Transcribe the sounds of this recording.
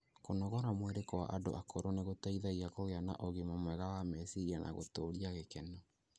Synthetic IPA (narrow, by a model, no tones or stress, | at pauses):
konɔɣɔɾamweɾekɔwa̰ʔado̰ʔakʰoɾoneɣotaiðaiakoɣeana̰ʔoɣemamwɛɣawamɛsiianʔa̰ɣo̰toːɾiaɣekɛnɔ